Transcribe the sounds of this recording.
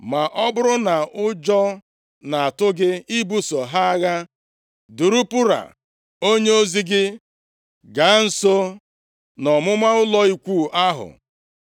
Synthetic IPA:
ma˨ʔɔ˦bʊ˦ɾʊ˦na˨ʊ˦d͡ʒɔ˦ | na˨a˨tʊ˦ɡɪ˦i˦bu˦so˨ɦa˦a˦ɣa˦ | du˨ɾu˦pu˦ɾa̰˨ | o˦ɲe˦o˦zi˦ɡɪ˦ | ɡa˨˦n̩˨so˦ | nɔ˨mʊ˦ma˦ʊ˦lɔ˦i˦kʷuː˦˨ʔa˦ɦʊ̰˨

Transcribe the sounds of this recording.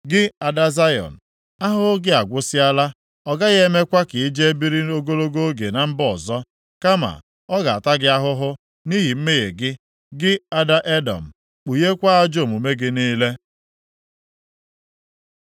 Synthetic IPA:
ɡɪ˦a˨da˦za˦jɔ̰˨n̩˨ | a˦ɦʊ˦ɦʊ˦ɡɪ˦a˨ɡʷʊ˦sɪ˦a˦la˦ | ɔ˨ɡa˦ɣe˦e˦me˦kʷa˦kɪ˨i˦d͡ʒe˦e˦bi˦ɾi˦o˦ɡo˦lo˦ɡo˦o˦ɡe˨na˨m̩˦bɔ˨zɔ˦ | ka˦ma̰˨ | ɔ˦ɡa˨a˨ta˦ɡɪ˦a˦ɦʊ˦ɦʊ˦ | ni˦ɦi˨m̩˦me˦ɣe˨ɡɪ˦ | ɡɪ˦a˨da˦ʔe˦dɔ̰˨m̩˨ | k͡pu˨je˦kʷa˦a˦d͡ʒo˦˨mu˨me˦ɡɪ˦niː˦le˦

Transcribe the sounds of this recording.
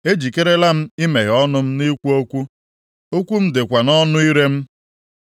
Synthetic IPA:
e˦d͡ʒi˨ke˦ɾe˦la˦m̩˦ɪ˦me˨ɣɔ˦nʊ˦m̩˦ni˦kʷu˦o˦kʷu˦ | o˦kʷu˦m̩˦dɪ˨kʷa˨nɔ˦nʊ˦i˦ɾe˦m̩˦

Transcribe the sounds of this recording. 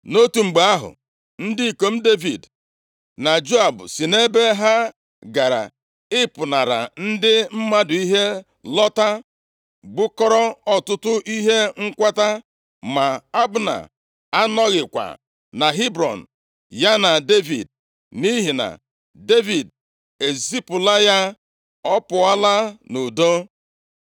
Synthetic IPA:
no˦tu˨ŋ͡m̩˨ɡ͡be˨a˦ɦʊ̰˨ | n̩˦di˦i˨ko˨m̩˦de˦vi˨d | na˨d͡ʒo˦a˨bʊ̰˨si˨ne˦be˦ɦa˦ | ɡa˨ɾa̰˨ | ɪ˦pʊ˨na˨ɾa̰˨n̩˦dɪ˦m̩˦ma˦dʊ˨i˦ɦe˦ | lɔ˦ta˦ | ɡ͡bʊ˦kɔ˦ɾɔ˦ɔ˨tʊ˦tʊ˦ʔi˦ɦe˦ŋ̩˦kʷa˦ta˦ | ma˨a˦bʊ˦na̰˨ | a˦nɔ˦ɣɪ˨kʷa̰˨ | na˨ɦi˦bɾɔ̰˨n̩˨ | ja˦na˨de˦vḭ˨d̚ | ni˦ɦi˨na̰˨ | de˦vi˨d | e˨zi˦pʊ˨la˦ja˦ | ɔ˦pʊ˨a˦la˦nu˨do˦

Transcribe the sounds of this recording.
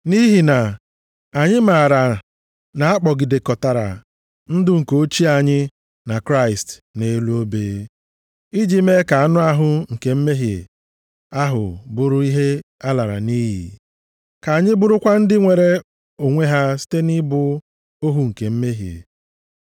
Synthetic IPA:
ni˦ɦi˨na˨ | a˨ɲɪ˦ma˨ɾa˨ | na˨a˦k͡pɔ˨ɡɪ˨de˨kɔ˨ta˨ɾa̰˨ | n̩˦dʊ˦ŋ̩˨ko˦t͡ʃi˦a˨ɲɪ˦ | na˨kɾa˦ɪ˨stne˨˦lu˦o˦beː˦ | i˦d͡ʒi˦me˦ka˨a˨nʊ˦a˦ɦʊ˦ŋ̩˨ke˨m̩˦me˦ɦjḛ˨ | a˦ɦʊ̰˨bʊ˦ɾʊ˦i˦ɦe˦ | a˦la˨ɾa̰˨ni˦ɦḭ˨ | ka˨a˨ɲɪ˦bʊ˦ɾʊ˦kʷa˦n̩˦dɪ˦ŋʷe˨ɾe˦ | o˨ŋʷe˦ɦa˦si̥˦te˦ni˦bʊ˦ | o˦ɦu˨ŋ̩˨ke˨m̩˦me˦ɦjḛ˨

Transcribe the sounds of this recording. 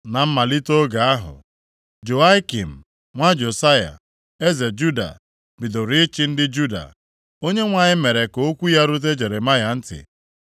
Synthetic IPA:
na˨m̩˦ma˨li˦to˦ɡa˨a˦ɦʊ̰˨ | d͡ʒo˨a˦ki˨m̩˨ | ŋʷa˦d͡ʒo˨sa˦ja̰˨ | e˦ze˨d͡ʒu˦da̰˨ | bi˨do˨ɾi˦t͡ʃɪ˦n̩˦dɪ˦d͡ʒu˦da̰˨ | o˦ɲe˦ŋʷa˨ɲɪ˦me˨ɾe˨ko˦o˦kʷu˦ja˦ɾʊ˦t̬e˦d͡ʒe˨ɾe˨ma˦ja˨n̩˦tɪ̰˨

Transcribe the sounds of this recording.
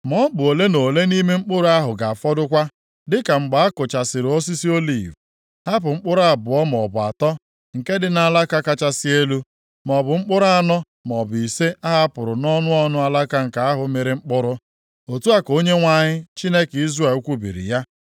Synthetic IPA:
mɔ˦bʊ˨o˨le˦no˨le˦ni˦me˦ŋ͡m̩˦k͡pʊ˦ɾʊ˦a˦ɦʊ˨ɡa˨a˨fɔ˦dʊ˦kʷa˦ | dɪ˦ka˨ŋ͡m̩˨ɡ͡ba˨a˦kʊ˨t͡ʃa˨sɪ˨ɾo˦si˦si˦o˦lḭ˦˨v | ha˦p̬ʊ˨ŋ͡m̩˦k͡pʊ˦ɾʊ˦a˦˨bʊ˨ɔ˦m˨ɔ˨bʊ˨a̰˨tɔ˦ | ŋ̩˨ke˦dɪ˨na˨la˦ka˦ka˦t͡ʃa˦sɪ˦e˦lu˦ | mɔ˨bʊ˨ŋ͡m̩˦k͡pʊ˦ɾʊ˦a˦nɔ˦ | m˨ɔ˨bʊ˨i˨se˦ʔa˦ɦa˦pʊ˨ɾʊ˨nɔ˦nʊ˦ɔ˦nʊ˦a˨la˦ka˦ŋ̩˨ka˨a˦ɦʊ˨˦me˨ɾɪ˨ŋ͡m̩˦k͡pʊ˦ɾʊ˦ | o˨tu˦a˦ko˦ɲe˦ŋʷa˦˨ɲɪ˦t͡ʃi˦ne˦ki˦ze˨˦kʷu˦bḭ˨ɾḭ˨ja˦

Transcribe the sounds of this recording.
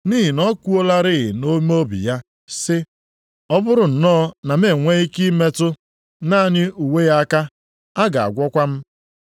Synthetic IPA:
niː˦ɦi˨nɔ˦kʷu˦o˦la˦ɾɪ˦ɣɪ̰˨no˦m˦o˦bḭ˨ja˦ | sɪ˦ | ɔ˦bʊ˦ɾʊ˨n̩˨nɔː˦na˨m̩˦e˨ŋʷe˦i˦ki˦me˦tʊ˦ | na˦˨ɲɪ˦u˨we˦ja˦a˦ka˦ | a˦ɡa˨a̰˨ɡʷɔ˦kʷa˦m̩˦

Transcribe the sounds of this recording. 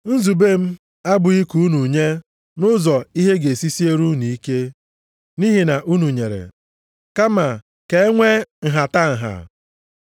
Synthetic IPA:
n̩˦zu˨be˦m̩˦ | a˦bʊ˨i˦ku˨u˦nu˨ɲe˦ | nʊ˦zɔ˨i˦ɦe˦ɡe˨si˦si˦e˦ɾu˦ni˨˦ke˦ | ni˦ɦi˨na˨ʔu˦nu˨ɲe˨ɾḛ˨ | ka˦ma˨ | ke˨˦ŋʷe˦ŋ̩˨ɦa˨ta˦ŋ̩˨ɦa̰˨

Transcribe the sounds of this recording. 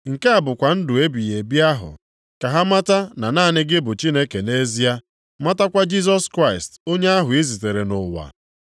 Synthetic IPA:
ŋ̩˨ke˦a˨bʊ˨kʷa˨n̩˦dʊ˨e˦bi˨je˨bi˦a˦ɦʊ̰˨ | ka˨ɦa˦ma˦ta˦na˨naː˦˨nɪ˦ɡɪ˦bʊ˨t͡ʃi˦ne˦ke˨ne˦zi˦a˦ | ma˦ta˦kʷa˦d͡ʒi˦z̬ɔ˦skɾa˦ɪ˨sto˦ɲe˦a˦ɦʊ˨i˦zi˨te˨ɾe˨nʊ˨wa̰˨

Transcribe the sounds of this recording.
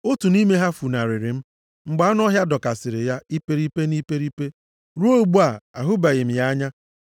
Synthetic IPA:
o˦tu˨ni˦me˦ɦa˦fu˨na˨ɾɪ˨ɾɪ˨m̩˦ | ŋ͡m̩˨ɡ͡ba˨˦a˦n˦ɔ˦ɦja˦dɔ˨ka˨sɪ˨ɾɪ˨ja˦i˦pe˦ɾi˦pe˦ni˦pe˦ɾi˦pe˦ | ɾu˦o˦˨ɡ͡bu˦a˨a˨ɦʊ˦ba˨ɣɪ˨m̩˨ja˦ɲa˦

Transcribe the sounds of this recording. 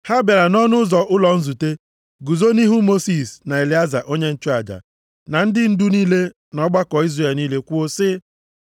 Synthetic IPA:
ha˦be˨ɾa˨nɔ˦nʊ˦zɔ˨ʔʊ˦lɔ˨n̩˦zu˨te˦ | ɡu˨zo˦ni˦ɦu˦mo˦si˨sna˨e˨li˨˦a˦za̰˨ʔo˦ɲe˦n̩˦t͡ʃʊ˦a˨d͡ʒa̰˨ | na˨n̩˦dɪ˦n̩˦dʊ˦niː˦le˦ | nɔ˦ɡ͡ba˦kɔ˨i˦zre˨e˨lniː˦le˦kʷu˦o˦sɪ˦

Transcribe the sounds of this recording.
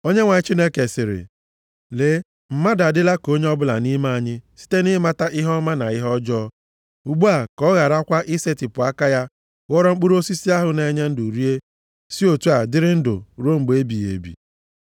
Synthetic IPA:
o˦ɲe˦ŋʷa˨ɲ˦t͡ʃi˦ne˦ke˨sɪ˨ɾɪ̰˨ | le˦ | m̩˦ma˦da˨dɪ˦la˦ko˦ɲe˦ɔ˦bʊ˦la̰˨ni˦ma˦a˦˨ɲɪ˦si̥˦te˦nɪ˦ɪ˦ma˦ta˦ʔɪ˦ɦɔ˦ma˦na̰˨ɪ˦ɦɔ˦d͡ʒɔ˦ | u˨ɡ͡bu˦a˨kɔ˦ɣa˨ɾa˦kʷa˦ʔɪ˦se˦tɪ˨pʊ˨a˦ka˦ja˦ | ɣɔ˦ɾɔ˦ŋ͡m̩˦k͡pu˦ɾo˦si˦si˦a˦ɦʊ˨ne˨˦ɲe˦n̩˦du˨ɾi˦e˦ | si˦o˨tu˦a˨dɪ˦ɾɪ˦n̩˦dʊ̰˨ɾo˦ŋ͡m̩˨ɡ͡be˦bi˨jḛ˨bḭ˨

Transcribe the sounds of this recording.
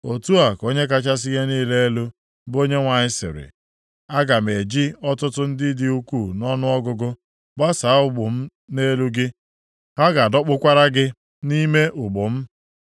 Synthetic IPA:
o˨tu˦a˨ko˦ɲe˦k̬a˦t͡ʃa˦s̬i˦ɣe˦niː˦le˦e˦lu˦ | bo˦ɲe˦ŋʷa˨ɲɪ˦sɪ̰˨ɾɪ̰˨ | a˦ɡa˨me˨d͡ʒi˦ɔ˦tʊ˦tʊ˦n̩˦dɪ˦dɪ˦u˦ku˦˨nɔ˦nʊ˦ɔ˦ɡʊ˦ɡʊ˦ | ɡ͡ba˦sa˨a˦ʊ˦ɡ͡bʊ˨m̩˦ | ne˦lu˦ɡɪ˦ | ɦa˦ɡa˨dɔ˦k͡pʊ˦kʷa˦ɾa˦ɡɪ˦ | ni˦me˦ʔʊ˨ɡ͡bʊ˨m̩˦

